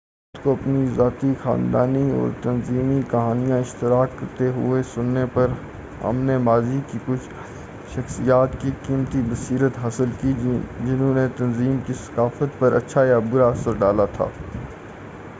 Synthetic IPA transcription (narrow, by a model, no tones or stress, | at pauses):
ʊt̪koɐpnizaːt̪ixa̰ːnd̪a̰ːniɔ̰ːɾt̪ɐnziːmikɐɦaːnijãɪʃt̪ɪɾaːkːɐɾt̪eɦʊ̰esʊnːepɐɾ | ɦɐ̰mnemaːzikikʊt͡ʃʰ | ʃɐxsijaːt̪kikiːmt̪ibɐsiːɾət̪ɦaːsəlkid͡ʒɪnɦõnet̪ɐnziːmkisɐ̥kaːfət̪pɐɾɐ̰tːʃʰajabʊɾaɐsəɾɖaːlat̪ʰa̰ː